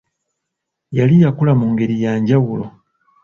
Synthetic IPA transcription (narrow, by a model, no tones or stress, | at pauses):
jalijakulamuŋɡe̞ɾijaːɲɟawulo̞̰